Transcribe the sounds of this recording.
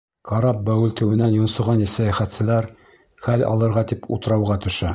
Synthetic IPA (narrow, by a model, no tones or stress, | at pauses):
qɑɾɑp̚bæwɘlt̪ɘ̆wɘ̆nænjŏnsɤ̆ʁɑnisæjæχæt̪sɘ̆læɾ | χælʲɑ̰lˠɤ̆ɾʁɑt̪ipṵt̪ɤ̆ɾɑwʁɑt̪ɵ̆ʃæ